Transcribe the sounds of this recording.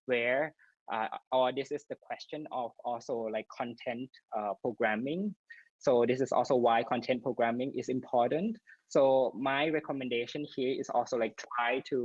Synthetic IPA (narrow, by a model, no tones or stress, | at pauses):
wɛɹ | ʔʌ̰ʔɔd̪ɪsɪsdəkʰw̥ɛst͡ʃə̃nɔvɔlsolaɪkʰːɔ̃ntʰɛ̃nt | ʌpʰɹ̥oɡɹæmɪ̃ŋ | sod̪ɪsɪsɔ̰lsoʊwaɪkʰɔ̃ntʰɛ̃npʰɹ̥oɡɹæmɪ̃ŋʔɪ̰zɪ̃mpʰɔɹtə̃ntsomajɹɛkʰɔmɛ̃ndeʃə̃nhiəɹɪsɔ̰lsolaɪk̚tʰɹ̥ajtʰu